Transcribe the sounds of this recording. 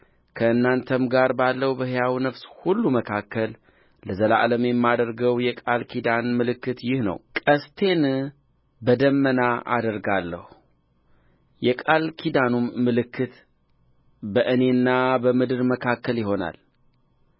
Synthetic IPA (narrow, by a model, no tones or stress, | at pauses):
kʰəɨnːant̪ʰəmɡaɾbalːəwbəhjawinəfshulːuməkʰakːəl | ləzəla̰ʔləmjɛmːad̪əɾɡəwjɛkʼalkʰid̪anmɨlɨkːɨt̪jɪhnə̰wkʼəst̪ʰe̞n | bəd̪əmːənaʔa̰d̪əɾɡalːə̰hu | jɛkʼalkʰid̪anumːɨlɨkʰːɨt̪ | bəʔɨne̞nːabəmɨd̪ɨɾməkʰakːəljɪɦo̞na̰l